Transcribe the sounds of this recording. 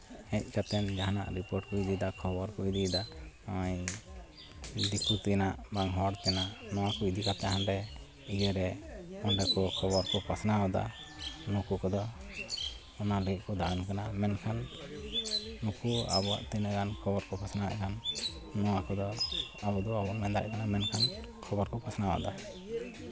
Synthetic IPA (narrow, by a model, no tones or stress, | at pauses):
ɛc̚ˀkat̪ɛnd͡ʒaɦana̰ʔɾipɔɾʈ̚kɔid̪id̪akʰɔbɔɾkɔid̪id̪aɔaj | d̪ikut̪ɛnaʔbaŋɦɔɽt̪ɛnaʔnɔwakɔid̪ikat̪ɛɦanɾɛ | id͡ʒɛɾɛɔɳɖɛkɔkʰɔbɔɾkɔpʰasnaɔd̪a̰ | nukukɔd̪ɔ | ɔnaliʔ̚kɔd̪aankanamɛnkʰan | ukua̰bɔa̰ʔt̪ɛnəkankʰɔbɔɾkɔpʰasnaa̰ʔkanː | ɔwakɔd̪ɔabɔd̪ɔabɔʔmɛnd̪a̰ʔkanamɛnkʰan | kʰɔbɔɾkɔpasnawa̰d̪a